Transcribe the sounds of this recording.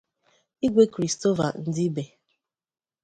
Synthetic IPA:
i˦ɡʷe˦kɾi˨sto˦va̰˨n̩˨dɪ˦be˨

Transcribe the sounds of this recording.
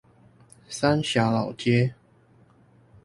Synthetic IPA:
sa˦nɕja˨˦lɑ˨˩ʊt̪ʰjɛ˦

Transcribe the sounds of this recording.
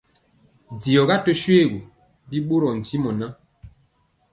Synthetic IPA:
di˨ɔ˨ɡa˦tɔ˦ʃwe˦˨ɡu˨ | bi˦ɓo˦ɾɔ˨n̩˨ti˦mɔ˨na˦

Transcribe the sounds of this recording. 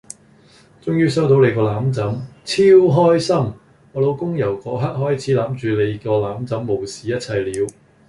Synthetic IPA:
t͡sʊ˥ŋjyː˥s̬ɐ˥wt̪ʰo˨˥wle˨˧jkɔː˧laː˨˥mt͡sɐ˨˥mt͡sʰiː˥wɦɔː˥jsɐ˥m | ɔː˨˧lo˨˧wkʊ˥ŋjɐ˨˩wkɔː˨˥ɦɐ˥t̚hɔː˥jt͡sʰiː˨˥laː˨˥mt͡ʃyː˨˧le˨˧jkɔː˧laː˨˥mt͡sɐ˨˥mːo˨wsiː˨jɐ˥t̚t͡sʰɐ˨jliː˨˥w

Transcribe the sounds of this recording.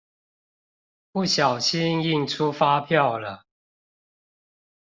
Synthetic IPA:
pu˥˩ɕjɑ˨˩ʊɕi˦ŋi˥˨ŋʈ͡ʂʰu˦fa˦pʰjɑ˥˨ʊlə˩

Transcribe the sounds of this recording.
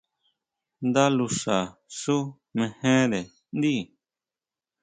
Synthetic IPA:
nd̪a˦lu˧ʂa˨su˦ | mẽ˧hẽ˦ɾe˨ | nd̪i˦˨

